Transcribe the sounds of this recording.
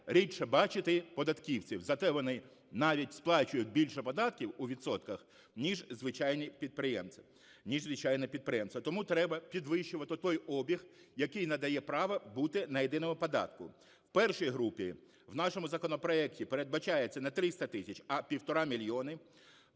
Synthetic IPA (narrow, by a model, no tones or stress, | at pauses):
ɾʲitʃɛbɑt͡ʃɪt̪ɪpɔd̪ɐt̪kʲiwt͡sʲiwzɐt̪ɛʋɔnɪ | nɑʋʲitʲsplˠɑt͡ʃʊjʊt̪̚ʲbʲilʲʃɛpɔd̪ɑt̪kʲiwuʋʲit̪sɔt̪kɐx | nʲiʒzʋɪt͡ʃɑjnʲipʲid̪̚pɾɪjɛ̰mʲ | nʲiʒzʋɪt͡ʃɑjnɛpʲid̪̚pɾɪjɛmst̪ʋɐt̪ɔmut̪ɾɛbɐpʲid̪ʋɪʃʊʋɐt̪ɪt̪ɔjɔbʲixjɐkɪjnɐd̪ɐjɛpɾɑʋɐbut̪ɪnɐjed̪ɪnɔmʊpɔd̪ɑ̰t̪kʊ̰ | wpɛrʃijɦɾupʲi | wnɑʃɔmʊzɐkɔnɔpɾɔɛktʲipeɾed̪bɐt͡ʃɑjet͡sʲːɐnɐt̪ɾɪst̪ɐt̪ɪsʲɐt͡ʃʲɐpʲiwt̪ɔɾɑmʲilʲjɔnɪ